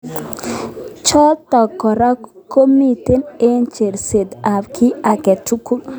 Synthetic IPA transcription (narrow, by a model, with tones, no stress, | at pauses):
t͡ʃɔ˦tɔ˨kɔ˨ɾa˦ | ko˦mi˨te˦ne˦nt͡ʃe˨ɾse˨d̪a˨bkʰɪ˦a˨kɛ˨tu˦ku˦l